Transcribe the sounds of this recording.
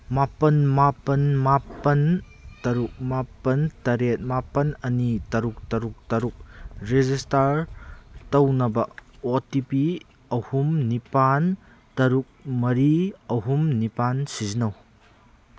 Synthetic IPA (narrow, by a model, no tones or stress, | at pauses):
mapɐnmapɐnmapɐn | tɐɾuk̚mapɐntɐɾet̚mapɐnɐnitɐɾuk̚tɐɾuk̚tɐɾuk̚ɾezistaɾ | tɐwnɐbɐotipi | ɐhumnipan | tɐɾuk̚mɐɾiɐɦumnipansizinɐw